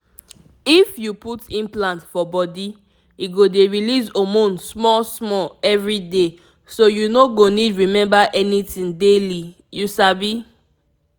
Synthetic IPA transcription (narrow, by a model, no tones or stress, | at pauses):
ifjuputĩnplãntfɔbɔdi | iɡodeɹilizomõnsmɔsmɔlɛvɹide | sojunoɡonidɹimɛ̃mbaʔɛnitĩndeli | jusabi